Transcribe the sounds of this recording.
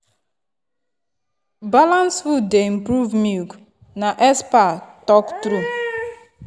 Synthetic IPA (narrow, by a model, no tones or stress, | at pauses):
balãnswudeim̩pɾuvmik | naʔɛspatɔktɾu